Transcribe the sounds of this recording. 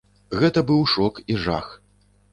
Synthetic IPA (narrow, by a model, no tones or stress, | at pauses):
ɣɛt̪ɐbɨwʂɔkiʐa̰x